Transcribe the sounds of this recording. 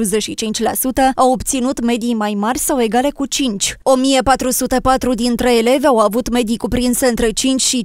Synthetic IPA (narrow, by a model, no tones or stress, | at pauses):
uze̞ʃit͡ʃint͡ʃʲlasut̪əawo̞bt̪sinut̪me̞d̪ijmajmarʲsawe̞ɡale̞kut͡ʃint͡ʃʲo̞mijepat̪ɾusut̪epat̪ɾud̪int̪ɾe̞ːle̞veawavut̪me̞d̪ijkupɾinseɨnt̪ɾe̞t͡ʃint͡ʃʃi